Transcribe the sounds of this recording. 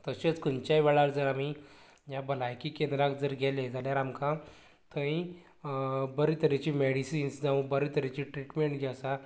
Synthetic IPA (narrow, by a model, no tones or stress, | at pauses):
t̪əɕet͡skunt͡ɕajʋɛɭaɾd͡zəɾami | jjabəlajkiːkend̪ɾakd͡zəɾɡʱɛled͡zaljaɾamkã | t̪ʰə̃ĩ | bəɾit̪əɾet͡ɕiːmeɽisiinsd͡zaʋũbəɾit̪əɾet͡ɕiʈɾiʈmeɳʈɡʱjasa